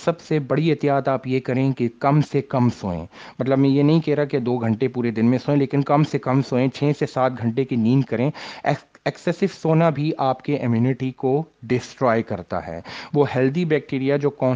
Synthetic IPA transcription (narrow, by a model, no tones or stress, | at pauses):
sɐbsebɐɽiɛɦt̪ijaːt̪aːpjekɐɾẽːkekɐmsekɐmsoːḛ̃ː | mɐt̪ləbmɛ̃ːjenɐɦĩkɛːɦɾaaked̪oːɡʱɐ̃ɳʈepuːɾed̪ɪnmẽsoːẽleːkɪnkɐmsekɐmsoːẽt͡ʃʰɛːsesaːt̪̚ɡʱɐ̃ɳʈekiniːnkɐɾẽː | ɛksɛsɪʋsoːnabʱiʔaːpkeʔɪmjuːnɪʈikoɖɪsʈɾoːjkɐɾt̪a̰ɦɛ̰ːʋoːɦɛːld̪ibɛːk̚ʈiːɾijad͡ʒoːkɔ̃ː